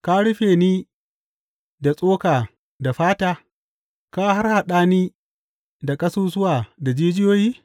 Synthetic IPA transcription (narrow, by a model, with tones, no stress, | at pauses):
ka˦ɽʊ˦ɸeː˨niː˦ | da˨sʼoː˦kaː˨ | da˨ɸaː˦taː˦ | ka˦ɦa˦rha˨ɗaː˦niː˦ | da˨kʼɐ˦suː˦s̬ʊ˦waː˨da˨d͡ʒeː˦d͡ʒɪ˦joː˦jiː˦